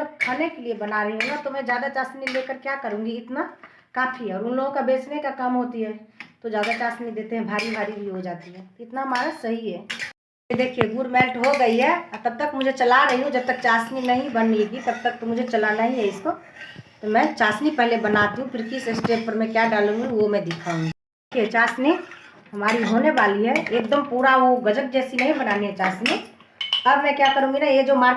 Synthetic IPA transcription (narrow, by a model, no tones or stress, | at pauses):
sɐb̚kʰaːnekeliebɐnaɾɐɦiɦũnat̪omɛ̃d͡ʒjaːd̪at͡ʃaːsnilekəɾkjakəɾũːŋɡiɪt̪na | kaːfʰiɦɛɔːɾʊnloɡõkabeːsnekakɐmɦot̪iɦɛt̪od͡ʒjaːd̪at͡ʃaːsnid̪eːt̪eɦɛ̃bʱaːɾibʱaːɾibʱiɦod͡ʒaːt̪iɦɛ̃ːɪt̪naɦɐmaːɾasɐɦiɦɛ | kid̪eːkʰieɡuːɾmɛlʈɦoɡɐiɦɛɔɾt̪ɐb̚t̪əkmʊd͡ʒʱet͡ʃɐlaɾɐɦiɦũd͡ʒɐb̚t̪ək̚t͡ʃaːsninəɦĩbəniɡit̪əb̚t̪ək̚t̪omʊd͡ʒʱet͡ʃəlanaɦĩɦɛɪskot̪omɛ̃t͡ʃaːsnipɛɦlebənat̪ɦũpʰɪɾkisesʈeʈ̚pəɾmɛ̃kjaɖaːlũŋɡiomɛ̃d̪ɪkʰaɦũ | ekʰiɛt͡ʃaːsni | ɦɐmaːɾiɦoneʋaːliɦɛek̚d̪əmpuːɾaoɡəd͡ʒəʈ̚d͡ʒɛːsinɐɦĩbənaːniɦɛt͡ʃaːsni | əbmɛ̃kjakəɾũŋɡinajed͡ʒomaɾ